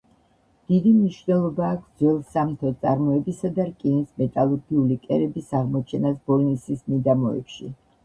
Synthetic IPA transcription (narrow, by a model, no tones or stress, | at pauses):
d̪̥id̪imniʃvnɛlˠɔbaːkʰd̪zwɛlˠsamt̪ʰɔt̪sʼaɾmɔɛbisad̪aɾkʼinismɛt̪ʼalˠɔɾɡiulikʼɛɾɛbisaʁmɔt͡ʃʰɛnasbɔlnisismid̪amɔɛ̰pʃi